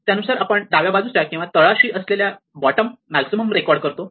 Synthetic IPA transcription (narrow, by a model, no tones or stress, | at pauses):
t̪janusaɾapəɳd̪aʋjabad͡zusjakĩw̃ʋat̪əɭaɕiːʔəslelja | bɔʈəmːælksiməmɾekɔɾɖkəɾt̪o